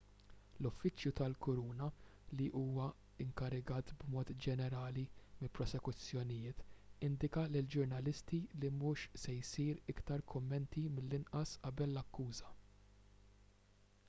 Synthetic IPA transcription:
lʊfːɪt͡ʃjut̪ɐlkʊɾuːnɐliʔuːwɐ | ɪŋkɐɾɪɡɐːt̪bmɔːt̪d͡ʒɛnɛɾɐːlimɪlpɾɔsɛkʊt͡sːjɔnɪjɪːt̪ɪnd̪ɪkɐlɪld͡ʒʊɾnɐlɪst̪ilimuːʃsɛjsiːɾɪkt̪ɐɾkʰʊmːɛnt̪imɪlːɪnʔɐsʔɐbɛlːɐkːuːzɐ

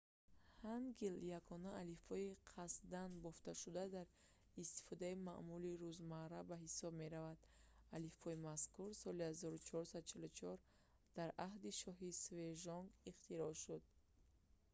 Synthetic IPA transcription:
hanɡiljaɡɔnaːlifɔiqʰasd̪anbɔft̪aʃud̪ad̪aɾ | ist̪i̥fɔd̪aima̰ʔmuliɾuzmaɾabaɦisɔb̚me̞ɾavad̪̥alifɔimaskuɾsɔlihazɔɾut͡ʃʰɔɾsad̪ut͡ʃʰilut͡ʃʰɔɾ | d̪̥aɾaɦd̪iʃɔɦisve̞ʒɔŋɡiχt̪iɾɔʃud̪̥̚

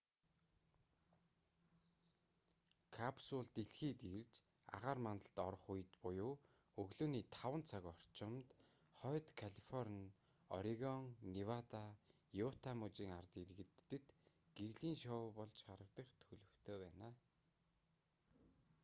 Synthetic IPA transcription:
kʰapsʊɮt̪iɮxiːt̪irt͡ɕ | a̰ʁaːrmant̪ə̆ɬt̪ɔɾ̆χuj̆t̪pʊjʊː | ɵɣɮoːniːt̪ʰawə̆nt͡sʰaɣɔr̥t͡ɕɪ̆mt̪ | χœːt̪kʰaɮifɔrn | ɔ̰ɾiɣɔŋniwat̪a | jʊt̪ʰamut͡ɕiːŋart̪iɾɣɘ̆t̪ːɘ̆t̪ | ɡ̥erɮiːnʃɔpɔɮt͡ɕχaɾə̆k̚t̪ə̆χt̪ʰxɵɮɵ̆w̥t̪ʰoːpæːnaː

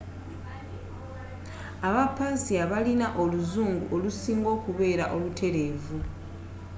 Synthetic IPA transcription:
aβapaziaβalinaʔo̞luzuːŋɡṵʔo̞lusiːŋɡo̞ːkuβe̞ːɾaʔo̞lutʰe̞ɾe̞vu

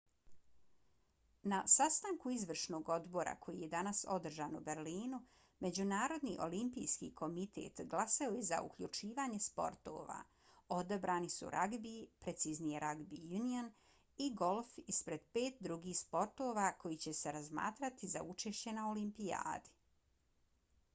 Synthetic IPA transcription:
nasast̪aŋkuizʋr̩ʃno̞ːɡo̞d̪bo̞ɾa̰kʰo̞jije̞d̪anaso̞d̪r̩ʒaːnube̞ɾliːnu | me̞d͡ʑunaːɾo̞d̪nḭʔo̞̰limpijskḭkʰo̞mit̪ʰḛːt̪ɡlˠasaoje̞za̰ʔṵkʎut͡ʃiːʋaːɲe̞spo̞̰ɾt̪o̰ːʋa̰ | o̞d̪abɾaːnisṵɾʔaɡbipɾet̪siznijeɾʔaɡbijunion | iɡo̞lˠfispɾe̞d̪̥peːt̪̚d̪ɾuɡiːspo̞ɾt̪o̞ːʋako̞jit͡ɕe̞se̞ɾazma̰ːt̪ɾat̪iza̰ut͡ʃe̞ʃt͡ɕe̞nao̞limpija̰ːd̪i

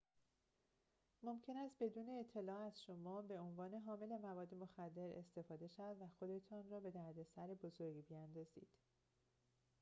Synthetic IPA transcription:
mo̞mcʰe̞næst̪̚be̞d̪uːne̞ːt̪ʰːe̞lɒːæzʃo̞mɒːbe̞onvɒːne̞ɦɒːme̞le̞mævɒːd̪ːe̞mo̞xæd̪ːe̞ɾe̞̰st̪e̞fɒːd̪e̞ʃævæd̪væxo̞d̪e̞t̪ʰɒːnrɒːbe̞d̪æɾd̪e̞sæɾebozo̞ɾɡbejænd̪ɒːzḭːd̪̥

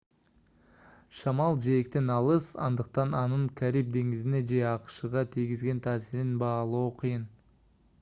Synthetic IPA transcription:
ʃɑmɑlˠʒejek̚t̪e̞nɑlˠəsɑ̰nd̪əq̚t̪ɑnɑnəɴkʲʰæɾijp̚d̪e̞ŋɡɪzɪne̞ʒe̞ɑqʃəʁɑt̪ʰiɡʲɪzɡʲe̞nt̪ʰæːsɪɾɪnbɑːlˠuoqʰəjən

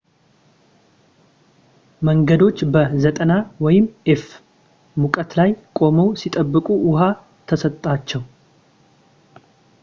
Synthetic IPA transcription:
məŋɡəd̪o̞t͡ʃːbəzət̪ʼənawɔjɪmːɛf | mukʼət̪lajkʼo̞məwsit̪ʼəbːɨkʼuʔʊɦa | t̪ʰəsət̪ʼːat͡ʃːɛw

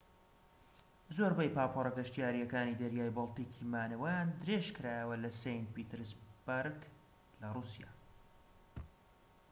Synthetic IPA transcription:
zoɾbɛjpaːpʰorˤɐɡɐʃt̪ijaːɾijɐkaːnid̪ɐɾjaːjbolˠt̪iːkʰiːmaːnɐwɛjaːnd̪ɨɾeʒkɨɾaːjəwɐlɐsejnt̪̚piːt̪ɨɾzbaɾɡ | lɐruːsija̰ː

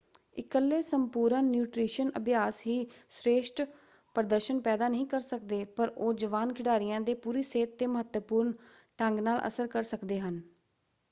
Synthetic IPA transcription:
ɪkəlːeːsəmpuːɾənjuːʈɾiːʃənə̰bjaːsɦiːsɾeːʃʈ | pəɾəd̪əɾʃənpɛːd̪aːnəɦĩːkəɾsəkd̪eːpəɾoːd͡ʒəʋaːnkʰɪɖaːɾɪjãːd̪eːpuːɾiːseːt̪ːeːməɦət̪əpuːɾɳ | ʈəŋɡnaːlʔə̰səɾkəɾsəkd̪eːɦən

